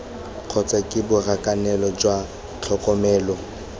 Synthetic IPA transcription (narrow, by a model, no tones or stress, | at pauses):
q͡χʰɔt͡sʼakʼɪbʊrakʼanɛlɔd͡ʒwa | t͡ɬʰɔkʼɔmɛːlɔ